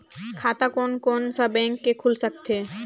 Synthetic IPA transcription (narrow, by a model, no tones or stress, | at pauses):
kʰat̪akonkonsabɛ̃ŋkːekʰulsəkt̪ʰe